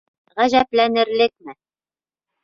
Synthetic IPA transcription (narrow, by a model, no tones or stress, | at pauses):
ʁæʑæplænɘ̆ɾlɘk̚mɘ